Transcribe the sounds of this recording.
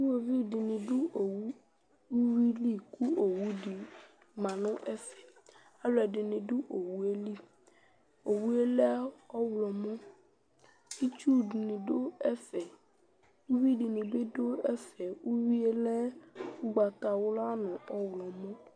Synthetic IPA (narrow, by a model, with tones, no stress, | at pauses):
ni˦wo˨vi˦˨dɪ˨nɪ̃˨ɖʊ˦o˨wu˦ | u˦wi˦li˦ku˦o˨wu˦di˨ | mã˨nʊ̃˦ʔɛ˦fɛ̥˨ | a˦lɔ˨ɛ˨ɖɪ˨nɪ̃˨ɖʊ˦ʔo˨wu˦e˦li˦ | o˨wu˦e˦lɛ˦ɔ˦wlɔ˨mõ˦ | i˦t͡ʃu˦˨dnɪ̃˨do˦ɛ˦fɛ˨ | wu˦wi˦ɖi˨nɪ̃˨be˦do˦ɛ˦fɛ˨wu˦wi˦e˦lɛ˦wu˦ɡ͡ba˨t̪a˨wʊ˦la˦nʊ̃˨ɔ˦wlɔ˨mʊ̃˦